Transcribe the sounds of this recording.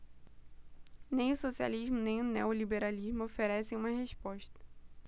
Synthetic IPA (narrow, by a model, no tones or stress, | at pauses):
nẽj̃ʊsosia̰liʒmʊnẽj̃ʊneolibeɾaliʒmʊofeɾɛsẽj̃ũmɐɦeʃpɔʃt̪ɐ̥